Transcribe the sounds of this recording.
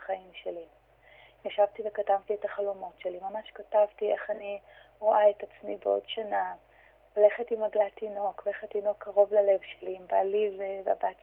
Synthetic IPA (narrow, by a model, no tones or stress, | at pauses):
χaimʃeli | jaʃavtive̞katavtietaχalomo̞tʃe̞limamaʃkatavtieχani | ʁo̞ʔaetat͡smibeo̞̰dʃana | ole̞χetimaɡlatino̞keχatino̞kʰːaʁo̞vlale̞vʃelimbalivba̰bat